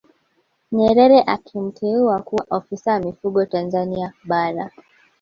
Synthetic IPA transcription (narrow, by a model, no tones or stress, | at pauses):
ɲɛɾɛɾɛʔakʰim̩tʰɛuakuaʔɔfisajamifuɠɔtanzaniaɓaɾa